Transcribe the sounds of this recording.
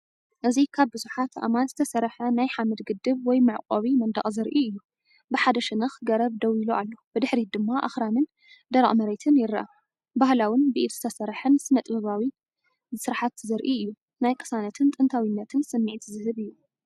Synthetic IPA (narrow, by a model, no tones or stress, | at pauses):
ʔɨzikʰaβbɨzuħat̪ʔa̰manzɨt̪ʰɐsɐɾħɐnajħamɨd̪ɡɨd̪ːɨβwɔjmɨʕqʼoβimɐnd̪ɐ̰χʼzɨɾʔiɨjːu | bɨħad̪ɐʃɪnɐxɡɐɾɐβd̪ɐwiloʔalːo̞b̥ɨd̪ɨħɾid̪ɨmːaʔa̰xɾanɨn | d̪ɐɾa̰ʔʼmɐɾejt̪ʰɨnjɪɾːʔɐ | bahlawɨnbɨʔit̪z̥ɨt̪ʰɐsɐɾħɨnsɨnɐt̪ʼbɐβawi | sɨɾaħat̪zɨɾʔiɨjːu | najkʼɨ̥sanɐt̪ʰɨnt̪ʼɨnt̪ʰawinːɐt̪ʰɨnsɨmːiʕt̪ʰzɨhɨβɨjːu